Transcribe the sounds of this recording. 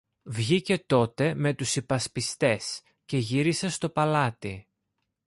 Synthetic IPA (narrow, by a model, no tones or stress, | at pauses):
vʝice̞t̪o̞t̪e̞me̞t̪usipɐspist̪e̞s | ce̞ʝiɾise̞st̪o̞pɐlɐt̪i